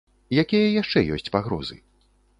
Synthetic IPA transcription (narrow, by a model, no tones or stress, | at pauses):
jakʲijɐjaʂt͡ʂɛjɔ̰sʲt͡sʲpaɣɾɔ̰zɨ̰